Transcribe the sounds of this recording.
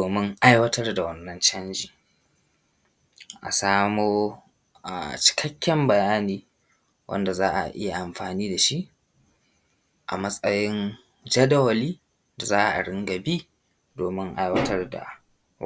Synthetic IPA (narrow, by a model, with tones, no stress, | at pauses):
oː˨mɪ˦ŋʔa˦jwɐ˦tɐ˦rda˨wɐ˦nːɐ˦nt͡ʃɐ˦nd͡ʒiː˨ | ʔa̰˨saː˦moː˦ | a˨t͡ʃɪ̥˨kʰɐ˦kʲʰːɛ˦mbɐ˨jaː˦niː˦ | wʔɐ̰˦nda˨zaː˦ʔa̰˨ʔʔɪ˦ja˨ʔa˨mɸaː˨niː˦da˨ʃi˦ʔ | ʔa̰˨mɐ˦sʼɐ˦jɪ˦n | d͡ʒɐ˦dɐ˦wɐ˨liː˦ | da˨zaː˦ʔa̰˨ʔa̰˨ɽɪ˦ŋɡa˨biː˦ | doː˨mɪ˦ŋʔa˦jwɐ˦tʰɐ˦rda̰˨